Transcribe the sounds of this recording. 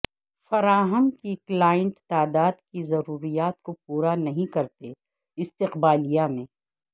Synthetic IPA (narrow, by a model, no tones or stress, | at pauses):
fɐɾaːɦəmkiklaːjə̃ɳʈt̪aːd̪aːd̪kizɐɾuːɾijaːt̪̚kopuːɾanɐɦĩkɐɾt̪e | ɪst̪ɪqbaːlijamẽː